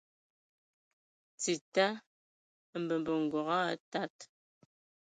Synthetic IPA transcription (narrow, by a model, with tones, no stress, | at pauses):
t͡si˨ta˦ | m̩˨bə˨m˨bə˨ŋ̩˨ɡwɔ˨ɣa˦ta˦t